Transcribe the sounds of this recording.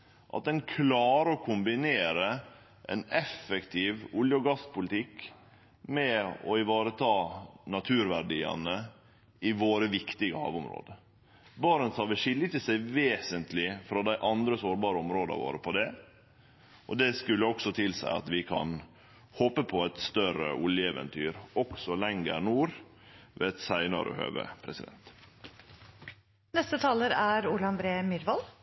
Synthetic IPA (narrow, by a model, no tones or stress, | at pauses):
ʔɑ̰t̪̚d̪ɛnkʰlɑːɾəɔkʰʊmbɪneːɾə | ʔɛ̰nɛfɛkt̪ʰiːʋʊljəɔɡɑspʊlɪt̪ʰɪkː | mɛɔɪʋɑːɾət̪ʰɑːnɑt̪ʰʉːɾʋæɖiːɑ̰nə | ɪʋoːɾəʋɪkt̪ɪɡəhɑ̰ːʋʊmɾo̰ːd̪ə | bɑːɾənsɑːʋəʂɪlːət̪ɪsæɪʋeːsənt̪lɪfɾɑd̪æɪʔɑnd̪ɾəsoːɾbɑːɾəɔmɾoːd̪ɑ̰ʋo̰ːɾəpʰɔd̪ɛ | ʔɔd̪ɛskʉlːəɔksɔt̪ʰɪlsæ̰ɪɑ̰t̪ʋɪkʰɑ̰n | hoːpəpʰɔɛt̪st̪œɾə̰ʔʊljəɛʋə̰nt̪ʰyːɾɔksɔlɛŋɡə̰ɾnuːɾ | ʋɛ̰ːɛt̪sæɪnɑɾə̰hø̰ːʋə̰pʰɾɛsɪd̪ɛ̰nt̪ | nɛst̪ət̪ʰɑːləɾæɾuːlɑnbɾeːmʏɾʋɑl